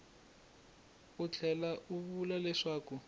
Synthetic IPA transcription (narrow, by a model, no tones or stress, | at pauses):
ut͡ɬʰɛlaʔuβulalɛʂaːku